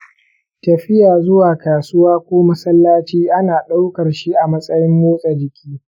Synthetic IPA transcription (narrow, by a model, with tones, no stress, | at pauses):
tɐ˨ɸɪ˦jaː˨zʊ˦waː˨kaː˨sʊ˦waː˦kʷoː˦mɐ˦sɐ˦lːaː˦t͡ʃiː˦ʔa˦naː˨ɗa˦wkɐ˨rʃi˦ʔa˨mɐ˦sʼɐ˦jɪ˦mːoː˦sʼa˨d͡ʒɪ˨kʲʰiː˦